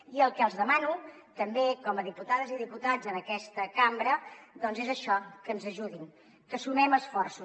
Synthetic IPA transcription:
iəlˠkɛəlˠzðəmanu | t̪əmbekɔməðiput̪aðəziðiput̪ad͡zənəkɛst̪əkambɾəðɔnzezəʃɔkənzəʒuðin | kəsumɛməsfɔrsu

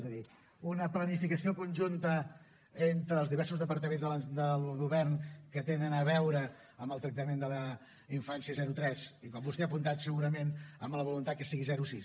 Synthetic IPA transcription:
zəði | unəplənifikəsiokunʲʒunt̪ə | ent̪ɾəːlˠzðiβɛrsuzðəpəɾt̪əmenzðələd̪əlˠɣuβɛrnkət̪enənəβɛwɾə | əmbəlˠt̪ɾək̚t̪əmend̪ələ | iɱfansiəzɛɾut̪ɾɛsikɔmbust̪ɛəpunt̪at̪səɣuɾəmenəmləβ̞ulunt̪at̪̚kəsiɣizɛɾusis

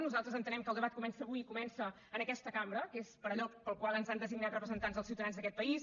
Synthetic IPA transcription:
nuzalˠt̪ɾəzənt̪ənɛmkəlˠd̪əβat̪̚kumɛnsəβuiikumɛnsə | əːnəkɛst̪əkambɾəkespəɾəʎɔpəlˠkwalˠənzand̪əziɡnat̪rəpɾəzənt̪anzðəlsiwt̪əðanzðəkɛt̪̚pəis

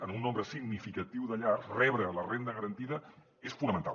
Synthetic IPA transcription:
ənunːombɾəsiɡnifikət̪iwðəʎarsrɛβɾələrend̪əɣəɾənt̪iðə | esfunəmənt̪a̰

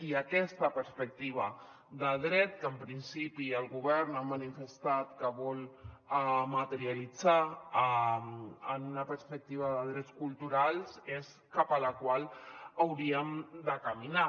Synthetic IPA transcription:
iəkɛst̪əpəɾspək̚t̪iβ̞ə | d̪əðɾɛt̪̚kəmpɾinsipiəlˠɣuβ̞ɛɾnamənifəst̪at̪kəβɔləmət̪əɾiəlid͡za | ənunəpəɾspək̚t̪iβ̞əðəðɾɛt͡skulˠt̪uɾalˠses | kapələkwalˠəwɾiəmd̪əkəmina

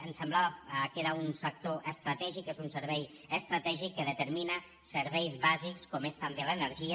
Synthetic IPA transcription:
ənsəmblaβakeɾaunsək̚t̪oʔəst̪ɾat̪ɛʒikezunsəɾβɛj | əst̪ɾat̪ɛʒikːəðət̪əɾmina | səɾβɛjzβazikskɔmest̪ambelənəɾʒia

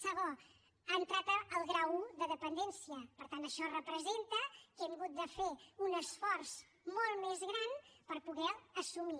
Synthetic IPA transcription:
səɣo | ant̪ɾat̪əəlˠɣɾawðəðəpənd̪ɛnsiəpəɾt̪ant̪əʃɔrəpɾəzent̪əkɛmɣut̪̚d̪əfeunəsfɔrz | molˠmezɣɾanpəɾpuɣɛəsumi

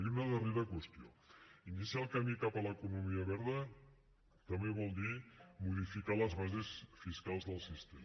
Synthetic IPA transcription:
iunəðəreɾəkwəst̪ioinisialˠkamikapələkunumiəβɛɾðə | t̪əmbeβ̞ɔlˠd̪imuð̞ifikaləzβazesfiskalˠzðəlˠsist̪em

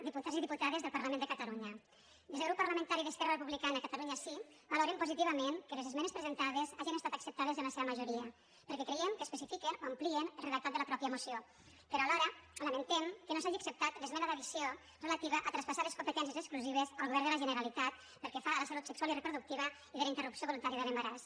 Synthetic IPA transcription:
d̪iput̪aziðiput̪aðezðəlˠpaɾlamend̪əkat̪aluɲə | d̪ezeɣɾupːarləmənt̪aɾiðəskɛrarəpuβlikanakat̪aluɲasi | baloɾempuzit̪iβəmenkəlezezmɛnespɾəzent̪aðezaʒinest̪at̪əksəp̚t̪aðezənləseβəmaʒuɾiə | pəɾkɛkɾejemkəːspəsifikenoamplienəlreðalˠt̪at̪d̪ələpɾɔpjəmusio | pəɾɔlaɾələment̪emkənosaʒiaksəp̚t̪at̪lezmɛnəðəβisio | relat̪iβ̞əʔət̪ɾanspasaleskumpət̪ɛns̬jəzəkskluziβ̞ezəlˠɣuβɛɾdələʒənəɾalit̪at̪ | pəɾkɛfaləsalut̪səkswalirəpɾuðuk̚t̪iβ̞ə | iðəlaint̪ərupsjoβulunt̪aɾiəðələmbaɾas

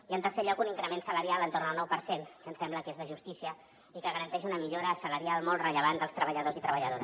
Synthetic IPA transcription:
iənt̪ərseʎɔkuniŋkɾəmensələɾjalˠənt̪ornəlˠnɔwpəɾsenkənsɛmbləkezðəʒust̪isiə | ikəɣəɾənt̪ɛʃunəmiʎoɾəːsələɾialˠmɔlˠt̪rəʎəβand̪əlˠst̪ɾəβəʎəðozit̪ɾəβəʎəðoɾə

